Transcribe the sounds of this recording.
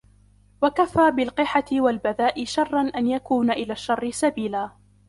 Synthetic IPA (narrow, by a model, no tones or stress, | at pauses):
wakafaːbɪlqɨħat̪ɪwalbaðaːʔɪʃɑrˤːɑnʔanjakuːnaʔɪlaːʃːɑrˤːɪsabiːlaː